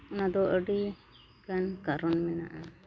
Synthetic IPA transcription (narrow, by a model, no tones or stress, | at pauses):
unad̪ɔʔəɖi | kankaɾɔnmɛna̰ʔa